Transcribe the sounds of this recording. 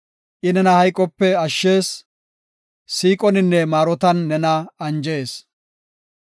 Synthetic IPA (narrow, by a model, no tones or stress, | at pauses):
ʔɪnɛnɐhɐjkʼːɔpːɛɐʃːeːs | siːkʼɔnɪnːɛmaːɾɔt̪ɐnːɛnɐɐnd͡ʒe̞ːs